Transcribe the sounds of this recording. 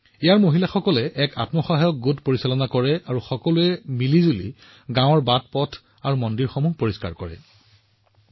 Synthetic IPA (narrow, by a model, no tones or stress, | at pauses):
ejaɹmoɦilaxɔkɔlɛʔɛka̰tmɔxɔɦajɔk̚ɡutpoɹisalɔnakɔɹɛʔaɹuxɔkɔluɛmilizulḭ | ɡãw̃ɔɹbat̚pɔtʰ | aɹumɔndiɹxɔmuhpoɹiska̰ɹkɔ̰ɹɛ̰